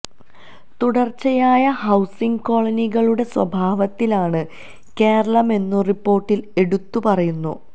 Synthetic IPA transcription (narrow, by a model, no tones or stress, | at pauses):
t̪uɽɐrt͡ɕːɐjaːjɐhɐwsiŋɡko̞ːɭɐniɣɐɭuɽe̞swɐ̰bʱaːʋɐt̪ːilaːɳɨ | ke̞ːɾɐɭɐme̞nːuripːo̞ːrʈːile̞ɽut̪ːupɐrɐjunːṵ